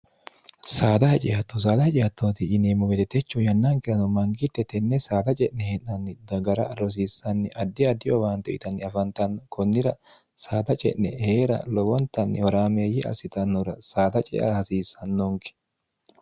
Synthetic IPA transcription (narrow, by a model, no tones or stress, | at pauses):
saːd̪ɐhɛt͡ʃʼɪjɐt̪ːɔs̬aːd̪ɐt͡ʃʼɪjɐt̪ːoːt̪ɪɪneːmʊɡɛt̪ɛt̪ɛt͡ʃːɔjɐnːɐŋkɪɐnɔmɐŋɡɪt̪ːɛt̪ɛnːɛsaːd̪ɐt͡ʃʼɛʔnɛhenːɐnːɪd̪ɐɡɐɾɐɐɾɔs̬iːsːɐnːɪʔɐd̪ːɪɐd̪ɪjɔbaːnt̪ɛʔɪt̪ɐnːɪɐfɐnt̪ɐnːɔkʰɔnːɪɾɐ | saːd̪ɐt͡ʃʼɛ̰ʔnɛheːɾɐ̰lɔwɔnt̪ːɐnːɪwɔɾaːmeːjɪʔɐ̰sɪt̪ɐnːɔɾɐsaːd̪ɐt͡ʃʼɛ̰ʔɐ̰hɐsiːsːɐnːɔŋkɛ̥